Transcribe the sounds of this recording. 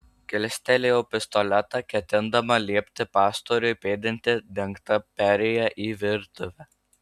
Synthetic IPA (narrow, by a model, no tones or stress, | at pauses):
kʲɪlʲsʲt̪ʲɛlʲejoːpʲɪst̪ɔlʲɛt̪ɑkʲɛt̪ʲɪnd̪ɐmɐlʲiɛpʲt̪ʲɪpɑːst̪oːɾʲʊɪpʲeːd̪ʲɪnʲt̪ʲɪd̪ʲɛŋkt̪ɐpʲæɾʲɛjɛʔiːʋʲɪɾt̪ʊʋʲɛ